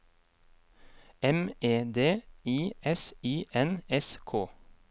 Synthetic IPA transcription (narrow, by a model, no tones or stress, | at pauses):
ɛmeːd̪eːiːɛsiːʔɛnɛskʰoː